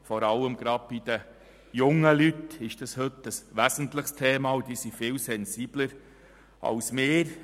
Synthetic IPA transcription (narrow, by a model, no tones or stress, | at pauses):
fɔɾɑləmɡɾɑd̥̚b̥id̥̪ə | jʊŋəlyt̪ɪʃd̥ɑshɵtəsʋæzən̩t̪ləχstʰeːmɑʊd̥̪iːsifɪːlsɛnsiːb̥ləɾ | ʔɑ̰ʊsmɪːɾ